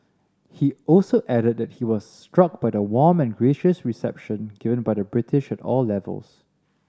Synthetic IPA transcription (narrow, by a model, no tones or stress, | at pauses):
hiɔlsoʔɛɾəd̚dɛt̚hiwɔsstɹ̥ʌk̚b̥ajəwɔmɛ̃nɡɹeʃəsɹisɛ̰p̚ʃə̃nɡ̥ɪvə̃nbajdəbɹɪtʰɪʃɛtɔ̰lːɛvə̰lˠs